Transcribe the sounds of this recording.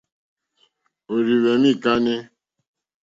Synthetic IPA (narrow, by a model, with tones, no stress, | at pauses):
o˨ɾi˨we˨mĩ˦˨ka˦ne˦